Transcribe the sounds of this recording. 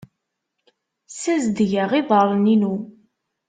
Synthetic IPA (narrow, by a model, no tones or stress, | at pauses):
sæzd̪ʝəʁiðˤəɾˤninu